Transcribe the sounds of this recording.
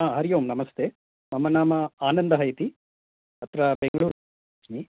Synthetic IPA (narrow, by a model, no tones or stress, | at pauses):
aːɦɐɾijoːmnɐmɐst̪eː | mɐmɐnaːmɐaːnɐnd̪ɐɦɐjt̪i | ɐt̪ɾɐbeŋɡɐɭuːɾ | ɐt͡ʃmi